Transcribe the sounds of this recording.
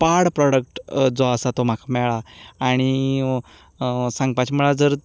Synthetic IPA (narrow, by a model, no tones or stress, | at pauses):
paɽpɾɔɽək̚ʈd͡zɔəsat̪om̤akʰamɛɭaːɽ̃i | sãŋɡ̚pat͡ɕiməɭad͡zəɾ